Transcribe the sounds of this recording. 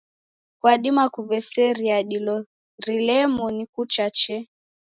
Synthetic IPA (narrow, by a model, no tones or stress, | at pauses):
kwaɗimakuvɛsɛɾiaɗilɔ | ɾilɛmɔnikut͡ʃat͡ʃɛ